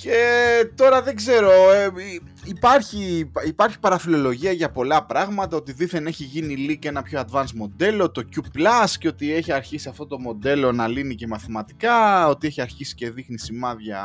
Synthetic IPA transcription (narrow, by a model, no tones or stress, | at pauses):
ce̞t̪o̞ɾɐðe̞ɡze̞ɾo̞e | ipɐɾçiipɐɾçi̥pɐɾɐfilo̞lo̞ʝiɐʝɐpo̞lɐpɾɐɣmɐt̪ɐo̞t̪iðiθe̞neçiʝinilike̞nɐpço̞ɐd̪vɐnsmo̞d̪e̞lo̞t̪o̞cuplɐsceo̞t̪ie̞çiɐɾçisiɐft̪o̞t̪o̞mo̞d̪e̞lo̞nɐlinice̞mɐθimɐt̪i̥kɐo̞t̪ieçiɐɾçisi̥ce̞ðixnisimɐðʝɐ̰